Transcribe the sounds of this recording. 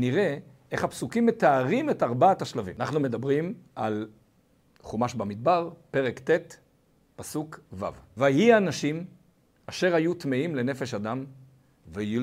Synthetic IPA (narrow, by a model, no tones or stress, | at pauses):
niʁe̞ | eχhapsukimːet̪aːʁimet̪aʁbaataʃlavḭmnaχnume̞d̪abʁimʔal | χumaʃbamid̪̚baʁpe̞ʁekt̪et̪ | pasukva̰vvajhianaʃim | aʃe̞ʁajut̪meimle̞ne̞fe̞ʃad̪am | vej